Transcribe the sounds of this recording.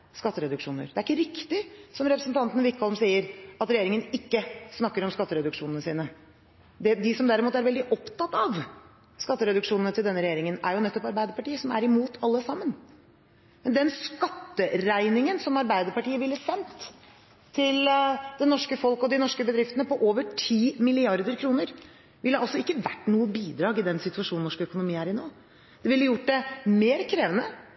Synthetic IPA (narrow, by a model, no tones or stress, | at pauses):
skɑt̪ːəɾɛd̪ʉkʂuːnə̰ɾd̪ɛæɾɪkːəɾɪkt̪ɪsɔmɾɛpɾəsn̩t̪ʰɑnt̪ənəʋɪkːɔlmsiːəɾɑt̪ɾɛjeːɾɪŋənɪkːəsnɑkːəɾɔmskɑt̪ːəɾɛd̪ʉkʂuːnənəsiːnə | d̪ɛd̪ɪsɔmd̪æɾɪmuːt̪æɾʋɛld̪ɪʔɔpt̪ʰɑt̪ːɑʋ | skɑt̪ːəɾɛd̪ʉkʂuːnnət̪ʰɪld̪ɛnːəɾɛjeːɾɪŋənæɾjʊnɛt̪ːɔpɑɾbæɪd̪əɾpɑʈiːəsɔmæɾɪmuːt̪ʰɑlːəsɑmːən | mɛnd̪ɛnskɑt̪ːəɾæɪnɪŋənsɔmɑɾbæɪd̪əɾpɑʈiːəʋɪlːəsɛnt̪ʰː | ɪld̪̥ɛnɔʂkəfɔlkɔd̪ɪnɔʂkəbəd̪ɾɪft̪ənəpɔʔoːʋəʈʰiːmɪlɪɑɾd̪əɾkʰɾuːnəɾ | ʋɪlːəɾʔɑlsɔɪkːəʋæʈːnuːəbiːd̪ɾɑːɡɪd̪ɛnsɪt̪ʉɑʂuːnn̩ɔʂkœkʊnʊmiːæɾɪnoː | d̪̥ɛʋɪlːəjʊʈːd̪ɛmeːɾkʰɾeːʋənə